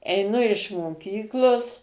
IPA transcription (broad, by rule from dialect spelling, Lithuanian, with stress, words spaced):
ɛɪˈnʊ ɪʃ moːˈkʲiːklˠoːs